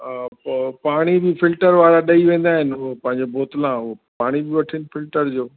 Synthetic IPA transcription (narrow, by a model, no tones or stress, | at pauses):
paːɽ̃ibɪfɪlʈəɾʋaːɾaɗɐiʋẽːnd̪aːɦɪnɪʊɦpɐ̃ɦɪ̃ɲd͡ʑeboːt̪lãʊɦopaːɽ̃ibɪʋɐʈʰiənɪ̆fɪlʈəɾd͡ʑoː